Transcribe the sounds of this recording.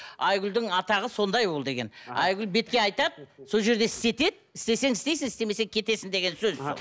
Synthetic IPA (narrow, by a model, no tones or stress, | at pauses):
ɑjɡʲʏld̪ɪŋɑt̪ɑʁəso̞nd̪ɑjbo̞lˠd̪e̞ɡʲe̞̰nɑjɡʲʏlbe̞t̪̚kʲe̞ɑjt̪ɑd̪so̞lˠʒe̞ɾd̪e̞ɪst̪e̞t̪e̞d̪ɪst̪e̞se̞ŋɪst̪e̞jsɪŋɪst̪e̞me̞seŋkʲʰe̞t̪e̞sɪnd̪e̞ɡʲe̞nsøz